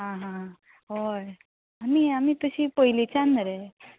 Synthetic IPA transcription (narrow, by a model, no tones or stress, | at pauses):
ɦãɦã | ɦoj | aniamit̪əɕipəɦilit͡sanɾe